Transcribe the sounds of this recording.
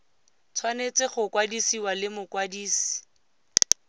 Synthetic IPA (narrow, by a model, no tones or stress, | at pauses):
t͡sʰwanet͡sɪχʊkwadisiwalɪmʊkwadiːsi̥